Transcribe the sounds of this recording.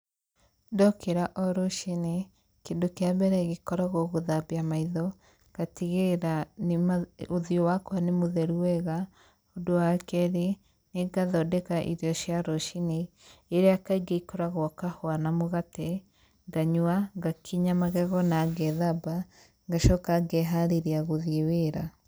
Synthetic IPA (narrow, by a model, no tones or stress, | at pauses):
dɔkeɾaʔɔɾoʃine | kendokeabɛɾɛɣekɔɾaɣoɣoðabiamaiðɔ | ɡ̥atiɣeɾanoðiowakwanemoðɛɾuwɛɣa | odowakɛɾe | neɡaðɔdɛkaʔḭɾjɔʃjaɾɔʃineː | ɾeakaiɡeikoɾaɣɔkahwanamoɣatɛ | ŋɡaɲwaɡakʰiɲamaɣɛɣɔnaːɡɛðaba | ŋɡaʃɔkaɡɛɦaɾeɾiaɣoðeweɾa